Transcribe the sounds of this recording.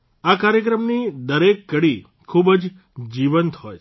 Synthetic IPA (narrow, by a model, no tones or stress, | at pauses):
akaɾjəkɾəmnid̪əɾekːəɽi | kʰubd͡ʒ | d͡ʒiʋənt̪ɦɔj